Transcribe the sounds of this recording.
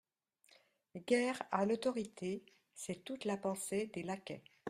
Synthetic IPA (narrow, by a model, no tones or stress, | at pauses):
ɡʲɛːʁalɔt̪ɔʁit̪ʰe | sɛt̪ut̪lapɑ̃sed̪elakɛ̰